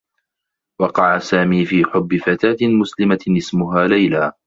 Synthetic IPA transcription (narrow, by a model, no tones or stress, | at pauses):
wɑqɑʕasaːmiːfiːħʊbːɪfat̪aːt̪ɪmʊslɪmaɪsmʊɦaːlajlaː